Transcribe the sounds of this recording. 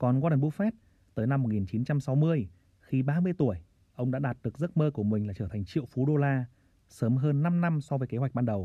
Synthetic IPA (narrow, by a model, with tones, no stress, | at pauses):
kɔ˨˩nɣaː˧ɗə˨˩ɓṵ˧˥fɛ˦˥t̚ | t̪əː˨˦jna˧mː˨˩t̚ŋi˨˩nt͡ɕi˨˦nt͡ɕa˧msa˨˦wmɨ˧əj | xi˧ɓaː˧mɨ˧əjt̪u˧˩əj | ʔə˧wŋ͡mɗa̰ː˧˥ɗaː˨˩t̚ɗɨ˨˩ək̚zə˦˥t̚məː˧ku˧˩əmï˨˩ŋ̟laː˨˩t͡ɕəː˧˩t̪ʰjŋ̟t͡ɕḭ˧˨əwfu˨˦ɗo˧laː˧ | səː˨˦mɦəː˧nːa˧mna˧msɔ˧vəː˨˦jke˨˦ɦwa˨˩k̟̚ɓaː˧nɗə˨˩w